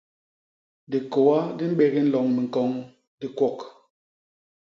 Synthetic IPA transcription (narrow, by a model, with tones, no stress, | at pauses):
di˨ko˨wa˦di˦m̩˦ɓe˨ɣi˦n̩˦lɔ˨ŋmi˨ŋ̩˨kɔ˨˦ŋ | di˦kwɔ˦˨k